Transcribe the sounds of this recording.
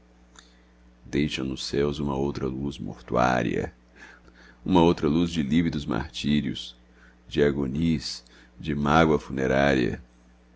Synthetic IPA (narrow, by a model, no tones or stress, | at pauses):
d̪ejʃɐ̃nʊsɛwzũmɐowt̪ɾɐluzmo̰ɾt̪ua̰ɾjɐ̰ | ũmɐowt̪ɾɐluzd͡ʒɪlivid̪ʊzma̰ɾt͡ʃiɾiʊs | d͡ʒɪaɡonis | d͡ʒɪmaɡwɐfuneɾaɾjɐ̰